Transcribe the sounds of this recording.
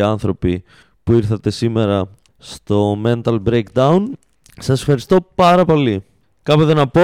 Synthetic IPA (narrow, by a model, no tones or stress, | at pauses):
ɐnθɾo̞pi | puiɾθɐt̪e̞sime̞ɾɐ | st̪o̞me̞nt̪ɐlbɾejkd̪ɐun | sɐsefxɐɾist̪o̞pɐɾɐpo̞li | kɐpot̪enɐpo